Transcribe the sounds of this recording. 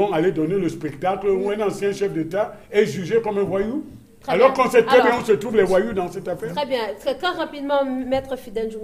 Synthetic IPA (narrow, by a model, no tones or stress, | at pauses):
ɔ̃aled̪ɔneləspɛkt̪akluɛ̃nɑ̃sjɛ̃ʃɛfd̪et̪aɛʒyʒekɔmɛ̃vwaju | alɔʁkɔ̃sɛt̪ɛbɛ̃ɔ̃sət̪ʁuvlɛvwajud̪ɑ̃sɛt̪afɛːʁɛbjɛ̃tɛt̪χɛʁapid̪mɑ̃mɛt̪χəfid̪ɛ̃nʒu